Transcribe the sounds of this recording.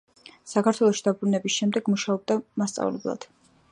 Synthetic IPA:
sakʰat̪ʰwɛlˠɔʃid̪abɾunɛbisʃɛmd̪ɛɡmuʃaɔb̚d̪amast̪sʼa̰vlɛ̰blˠa̰d̪̥

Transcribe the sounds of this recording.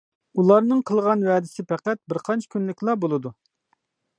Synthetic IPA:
ulˠɑɾnɨŋqʰəlˠʁɑnwɛd̪ɪsɪpʰɛqɛt̪̚bɪɾqʰɑnt͡ʃʰi̥kʲʰynlɪkʲlˠɑbolˠɨd̪u

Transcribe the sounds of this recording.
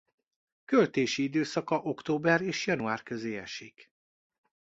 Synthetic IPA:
kølt̪eːʃiid̪øːsɒkɒʔo̞kt̪oːbɛreːʃjɒnuaːrkø̞zeːɛ̰ʃik

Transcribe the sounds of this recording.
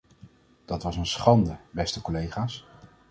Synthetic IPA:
d̥ɑtʋɑsənsχɑndəbɛstəkɔlejχaːs

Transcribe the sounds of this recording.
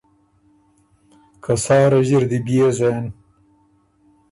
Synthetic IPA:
kʰasɑːɾɐʑiɾd̪ibiezan

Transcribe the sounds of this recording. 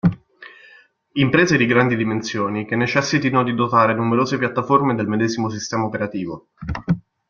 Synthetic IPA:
impɾeːzed̪iɡɾand̪id̪imensjoːnik̟enːet͡ʃɛsːit̪inod̪id̪ot̪aːɾenumeɾoːzepjat̪ːaformed̪elmed̪ɛːzimos̬ist̪ɛːmaopeɾat̪iːvo

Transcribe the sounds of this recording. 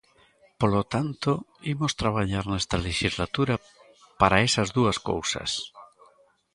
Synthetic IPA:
polot̪ant̪oimost̪ɾaβ̞aʎaɾnɛst̪ɐleʃizlat̪uɾa | paɾaesɐzðuɐsko̰wsɐ̰s

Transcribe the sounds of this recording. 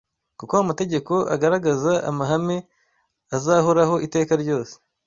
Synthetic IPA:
kukoamate̞ɟe̞ko̞ʔa̰ɡaɾaɡazaa̰maɦame̞ | azaːhoɾaɦo̞ʔite̞ːkaɾɟo̞ːse̥

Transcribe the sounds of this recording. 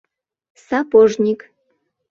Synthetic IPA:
sɑpoʒnʲik

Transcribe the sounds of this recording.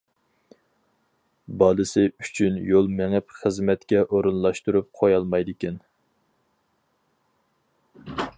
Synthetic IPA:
bɑːd̪ɨsɪyt͡ʃʰynjolˠmæŋɪpχəzmɛt̪kʲɛʔoɾunlˠɑʃt̪uɾup̚qʰojɑlˠmɑjd̪ɪkʲɛn

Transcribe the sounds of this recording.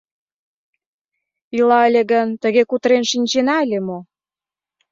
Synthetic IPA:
ilɑəlʲĕɣənt̪ə̆ɣekut̪əɾenʃinʲt͡ɕenɑəlʲemo

